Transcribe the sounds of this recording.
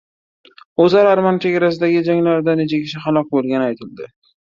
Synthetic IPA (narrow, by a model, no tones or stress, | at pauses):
ɵzaɾaɾmant͡ʃʰe̞ɡʲaɾas̬ɪd̪aɡʲɪd͡ʒaŋlaɾɪd̪anet͡ʃʰakʲʰɪ̥t͡ʃʰaχalˠɒk̚bolˠɡʲanɪajt̪ʰɪld̪ɪ